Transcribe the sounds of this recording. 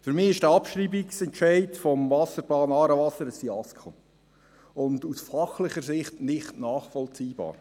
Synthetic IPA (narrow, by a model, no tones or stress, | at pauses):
fyɾmɪːɪʃd̥ɛɑpʃriːbiksɛntt͡ʃɛɪtfɔmvɑsəɾbɑːnɑːɾəvɑsəɾəstiɑskʰo | ʊndusfɑχlɪχəɾsɪχtnɪχtnɑːχfɔlt͡siːb̥ɑ̰ːɾ